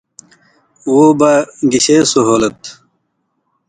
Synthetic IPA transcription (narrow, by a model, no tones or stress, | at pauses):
wobaɡiɕesoɦoːlɐt̪